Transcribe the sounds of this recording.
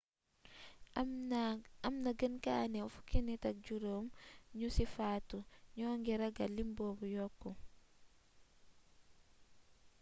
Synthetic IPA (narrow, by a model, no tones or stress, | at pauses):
ɐmnɐɡənkanɛwfu̥kinitɐk̚ɟuɾoːmɲusifaːtuɲɔːŋɡiɾɐɡalimbɔːbujɔkːɔ